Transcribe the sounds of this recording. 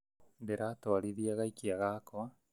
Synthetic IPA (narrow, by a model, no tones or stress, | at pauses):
ndeɾatoaɾiðiaɣaikiaɣaːkoa